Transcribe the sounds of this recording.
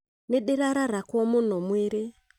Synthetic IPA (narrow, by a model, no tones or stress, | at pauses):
nɛɗiɾaɾaɾakwɔmunumwiɾi